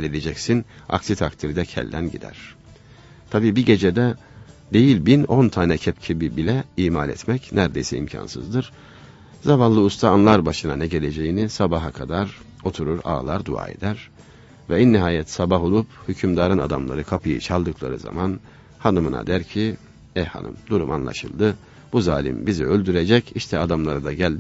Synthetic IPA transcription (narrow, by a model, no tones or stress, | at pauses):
lʲed̪ed͡ʒɛcsina̰ksit̪ʰakt̪ʰiɾd̪ɛcʰɛ̰lʲd̪ænɟḭd̪æ̰ɾ̥ | t̪ʰabiːbiɟe̞d͡ʒɛd̪ɛ | d̪e̞jilʲbino̞nt̪ʰaːnɛcʰɛpcʰibibilʲɛiːmalʲɛ̰t̪mɛcnæɾd̪ejsɛḭmcʰa̰nsɯ̰zd̪ɯɾ̥ | zamanlˠɯust̪ʰaːnlˠaɾbaʃɯnanɛɟe̞lʲe̞d͡ʒe̞jinisabaɦakʰad̪aɾ | o̞t̪ʰuɾuɾa̰ːlˠaɾd̪ṵa̰ːḛd̪æɾ | vɛinːiɦaːjɛt̪sabaɦolˠuphycʰymd̪aːɾɯnad̪amlˠa̰ɾɯkʰapʰɯjɯ̰t͡ʃʰalˠd̪ɯkʰlˠa̰ɾɯ̰za̰man | hanɯmɯna̰d̪æɾcʰi | ɛha̰nɯ̰md̪uɾuma̰nlˠa̰ʃɯlˠd̪ɯ | b̥uzaːlʲḭmbiziølʲd̪yɾed͡ʒɛciʃt̪ʰɛad̪amlˠaɾɯd̪aɟælʲd̪